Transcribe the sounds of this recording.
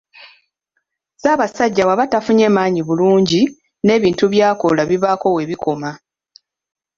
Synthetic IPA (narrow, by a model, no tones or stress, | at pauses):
zaːβasaɟːawaβatafuɲe̞ːmaːɲiβuluːɲɟi | ne̞ːβiːntuβjaːko̞laβiβaːko̞we̞ːβikʰo̞ma